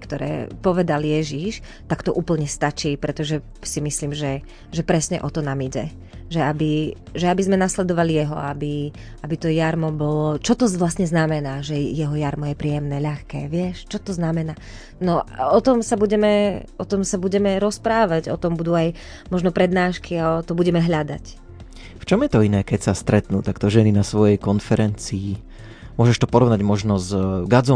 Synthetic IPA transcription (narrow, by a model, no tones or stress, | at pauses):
kt̪ɔɾɛ̰ːpɔʋɛd̪aljɛʒiʃ | t̪akt̪ɔʔuːpl̩ɲɛst̪at͡ʃiːpɾɛt̪ɔʒɛ | simisliːmʒɛ | ʒɛpɾɛsɲɛ̰ʔɔt̪ɔnamiɟɛ | ʒɛabi | ʒɛabizmɛnaslɛd̪ɔʋalijɛɦɔ̰abi | ʔabit̪ɔjaɾmɔbɔlɔt͡ʃɔt̪ɔzʋlasɲɛznamɛnaːʒɛjɛɦɔjaɾmɔjɛpɾiɛmnɛːʎaxkɛːʋɪɛʃt͡ʃɔt̪ɔznamɛnaː | nɔɔt̪ɔmsabuɟɛmɛɔt̪ɔmsabuɟɛmɛɾɔspɾaːʋaɟɔt̪ɔmbud̪uaj | mɔʒnɔpɾɛd̪naːʃkʰiat̪ɔbuɟɛmɛɦlʎad̪a̰c | ft͡ʃɔmjɛt̪ɔinɛːkɛcsast̪ɾɛt̪nuːt̪akt̪ɔʒɛninasʋɔjɛjkɔnfɛɾɛnt͡siː | mʊɔʒɛʃt̪ɔpɔɾɔʋnaɟmɔʒnɔzɡad͡zɔ